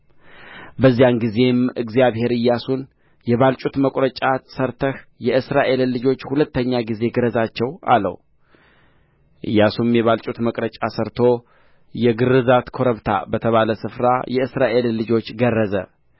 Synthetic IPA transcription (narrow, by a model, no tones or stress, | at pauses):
bəzːijanɡize̞mʔɨɡzijaβhe̞ɾɨjːasun | jɛβalt͡ʃʼut̪məkʷʼɾət͡ʃʼasəɾt̪ʰəhjɛʔɨsɾaʔe̞llɨd͡ʒo̞t͡ʃːhulət̪ːəɲːaɡize̞ɡɨɾəzat͡ʃːɛwa̰lə̰w | ʔɨ̰jːasumjɛβalt͡ʃʼut̪məkʼɾət͡ʃʼasəɾt̪ʰo̞ | jɛɡɨrːɨzat̪kʰo̞ɾəβt̪ʰa̰bət̪ʰəβaləsɨfɾa̰jɛɨsɾaʔe̞lːɨd͡ʒo̞t͡ʃːɡərːəzə̰